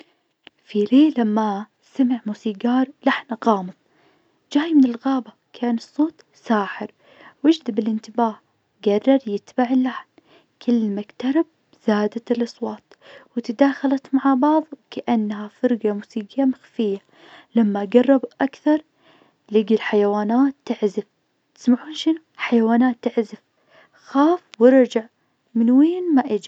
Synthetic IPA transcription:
fileːlamːa | samɪʕmuːsiːɡɑːɾˤlaħnaɣɑːmɨðˤ | d͡ʒaːjmɪnɪlɣaːbakʰaːnɨsˤːoːt̪ | saːħɪɾ | wɪd͡ʒd̪abɪlɪnt̪ɪbaːh | ɡɑrˤːɑɾˤjɪt̪baʕɪlːaħn | kʰɪlːmakt̪ɑɾˤɪb̚ | z̥aːd̪aɪlʔɑsˤwɑːt̪ˤ | wɪt̪ad̪aːxalat̪maʕabɑʕðˤkaʔanːhafɑɾɡamusiːɡamaxfɪjːa | lamːaɡɑrˤːɑbʔakθɑɾˤ | lɪɡilħajawaːnaːt̪ːɪʕzɪf | t̪ɪ̥smaʕuːnʃɪnuħajawaːnaːt̪ːɪʕzɪf | xaːfwɪɾˤd͡ʒaʕ | mɪnweːnmaʔɪd͡ʒ

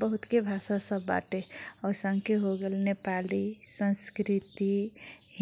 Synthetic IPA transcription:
bəɦʊt̪kebʱasasəbːa̰ʈeɔːɾsãŋkeɦoɡelnepalisə̃nskɾit̪iɦ

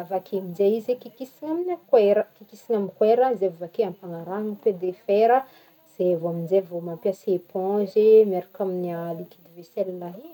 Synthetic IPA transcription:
avakemid͡ʒeizekikisiŋaminakweɾəkikisinamikweɾəzevavakeãmpaŋaɾaŋit̪ed̪efeɾə | z̥evoamind͡ʒevomampjasepɔ̃ʒemeɾakaminialikid̪ivesɛllaɦi

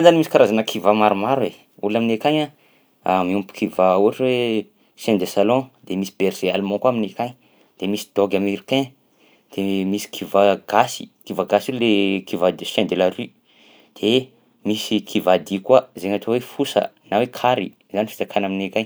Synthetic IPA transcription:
anzanimisi̥kaɾazanəkʰivamaɾumaɾwe | ulaminekaɲa | miumpu̥kʰivauaʈ͡ʂwe | sẽnd̪esalɔ̃d̪emisi̥b̥eɾz̥ealmɔ̃kwaminekaɲ | d̪̥emisi̥d̪̥oɡʲamiɾikɛ̃ | d̪̥emisi̥kʰivaɡ̥asi̥̰kivaɡasululekʰivad̪isɛ̃nd̪elaɾi | d̪̥e | misikʰivad̪ikwazeɲat̪owefusə̰nawekʰaɾi | zanifi̥t͡s̪akʰanaminekaɲ

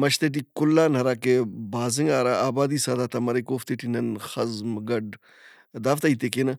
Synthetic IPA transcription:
mɐʃt̪eʈ̬ikʊlːaːnɦɐɾaːkebaːzɪŋɡaːɾaːaːbaːd̪iːsaːd̪aːt̪ɐmɐɾekoːft̪eʈinɐnxɐzmɡɐɖ | d̪aːft̪ait̪ekeːnɐ

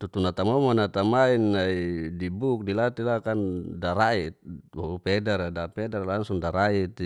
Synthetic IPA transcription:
t̪ut̪unat̪amomonat̪amainːaidibuk̚dilat̪ilakandaɾait̪̚wopedaɾadapedaɾlaŋsuŋdaɾait̪

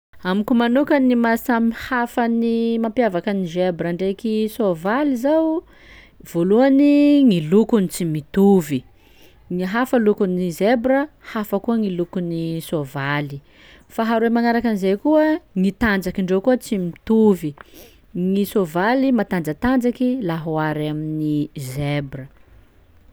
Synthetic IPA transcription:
amikumanukanimasamihafənimampjavakanizebɾəɳɖ͡ʐekisovalizaw | v̥oluaniŋilukunit͡simit̪uvi | ŋiɦafəlukunizebɾəhafəkuəŋilukunisovali | faɦaɾuemaŋaɾakanizejkuəŋit̪and͡zakiɳɖ͡ʐekuət͡simit̪uvi | ŋisovalimat̪and͡zət̪and͡zakilaɦuaɾaminizebrə

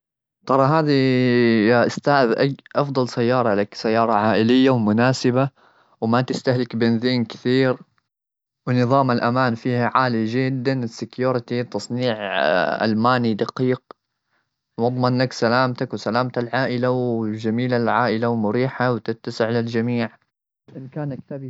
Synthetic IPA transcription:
t̪ˤɑɾˤɑɦaːði | aʔɪst̪aːʔðʔaʔɑfd̪ˤɑlsajːɑːɾˤɑlaksajːɑːɾˤɑʕaːʔɪlɪjːawmʊnaːsɪba | wmat̪ɪst̪ahlɪkbɪnziːnkɪ̥θiːɾ | wɪnɨðˤɑːmalʔamaːnfiːhaʕaːlid͡ʒɪd̪ːanɪsːɪkjuːɾɪt̪it̪ːɑsˤniːʕʔa̰lmaːnid̪aqiːq̚ | wɑd̪ˤmɑnːaksalaːmt̪akwsalaːmt̪alʕaːʔɪlawd͡ʒamiːlalʕaːʔɪlawmʊɾiːħawt̪ɪt̪ːasɪʕlɪld͡ʒamiːʕ | ʔɪnkaːnʔakt̪ab

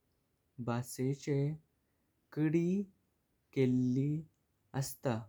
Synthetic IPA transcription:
baset͡ɕe | kəɽi | kelːi | əst̪a

